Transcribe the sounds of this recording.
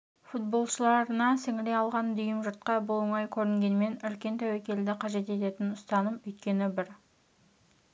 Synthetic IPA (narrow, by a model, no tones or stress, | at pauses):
fut̪̚bo̞lˠʃəlˠɑɾənɑsɪŋɪɾe̞jɑlˠʁɑnd̪ʏjɪmʒʊɾt̪̚qɑbʊlˠəɴɑjkʲʰɵɾɪŋɡʲe̞nme̞nʏlkʲe̞nt̪ʰæwækʲe̞ld̪ɪqʰɑʒe̞t̪e̞t̪e̞t̪ɪnʊst̪ɑnəmʏjt̪̚kʲe̞nɪbɪɾ